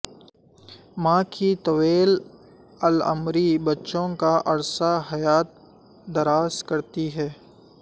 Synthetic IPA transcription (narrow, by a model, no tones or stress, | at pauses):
mãːkʰit̪ɐweːl | ɐlə̰mɾibɐtːʃõkaʔɐɾsaɦɐjaːt̪̚ | d̪ɐɾaːskɐɾt̪iɦɛː